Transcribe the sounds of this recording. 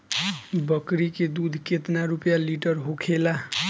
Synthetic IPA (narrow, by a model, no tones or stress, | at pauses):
bʌkɾiked̪ud̪ʱket̪naɾupjaliʈʌɾɦokʰela